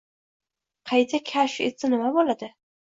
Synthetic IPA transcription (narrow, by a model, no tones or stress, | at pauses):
qʰɑjt̪ʰakʲʰaʃḛt̪sanɪmabolad̪ɪ